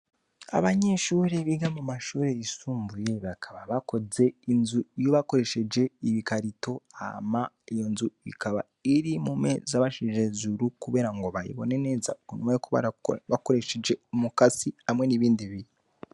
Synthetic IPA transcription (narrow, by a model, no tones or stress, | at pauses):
a̰βaɲe̞ːʃuɾeβiɡamumaʃuːɾe̞isuːmbuje̞βakʰaβaβako̞ze̞inzuijo̞βako̞ɾe̞ʃe̞d͡ʒe̞iβikaɾito̞a̰ma | ijo̞nzuḭkaβa̰ | iɾimumḛzaβaʃiʒezuɾukuβe̞ːɾaŋɡo̞βaɾḭβo̞̰nene̞ːza̰konumaokoβa̰βakoɾe̞ʃed͡ʒe̞mukasiamwe̞niβiːndiβii